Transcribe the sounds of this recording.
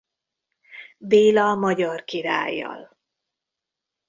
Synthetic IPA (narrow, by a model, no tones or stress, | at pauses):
deːlɒmɒɟɒrkiɾa̰ːjːɒ̰l